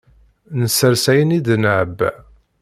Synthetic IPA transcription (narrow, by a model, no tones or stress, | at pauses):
nəsəɾsæjənid̪nəʕəbː